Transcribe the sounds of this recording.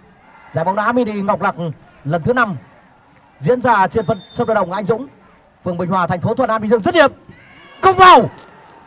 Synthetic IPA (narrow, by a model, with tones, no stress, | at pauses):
zaː˨˩ɓa˨˦wŋ͡mɗaː˨˦mi˧˦ɗḭ˧˨ŋɔ˨˩wk͡p̚la˨˩k̚ | lə˨˩nt̪ʰɨ˨˦na˧m | zḭ˧˥nzaː˧˩t͡ɕe˧nfə˧˨nswɗaː˨˧˩ɗə̰˧˨ŋ͡mʔʔjŋ̟zʊ̰˧˥ŋ͡m | fɨ˨˩əŋ͡mɓï˨˩ŋ̟hwaː˨˩t̪ʰɛ˨˩jŋ̟fo˨˦t̪wə̰˧˩nʔaː˧ɗi˧˨zɨ˧əŋzə˦˥t̚i˨˦əm | kə˧˦wŋ͡mva˨˩w